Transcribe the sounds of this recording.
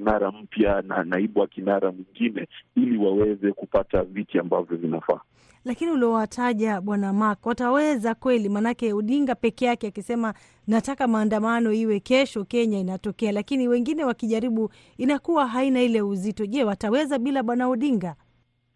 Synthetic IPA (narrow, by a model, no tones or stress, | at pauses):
naɾam̩pjana̰naiɓuwakinaɾamiŋɡinɛiliwawɛzɛkupatavitiambavjɔvinafa̰ | lakiniuliɔwatʰaʄaɓwanamakwatawɛzakwɛlimanakɛuɗiŋɡapɛkɛjakɛakisɛma | natakamaːndamanɔiwɛkɛʃɔkɛɲainatɔkɛalakiniwɛŋɡinɛwakiʄaɾiɓu | inakuwaɦainailɛuzitɔʄɛwatawɛzaɓilaɓwanauɗiŋɡa